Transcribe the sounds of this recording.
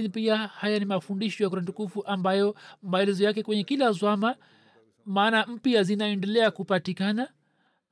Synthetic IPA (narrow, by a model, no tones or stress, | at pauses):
nipiahajanimafundiʃɔjak̬uɾantukufuʔambajɔmaɛlɛzɔjakɛkwɛɲɛkilazwama | maːnam̩piazinaɛndɛlɛakupatikana